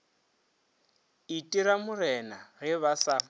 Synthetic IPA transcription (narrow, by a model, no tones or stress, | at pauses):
itʼiɾamʊɾɛnarɪβasa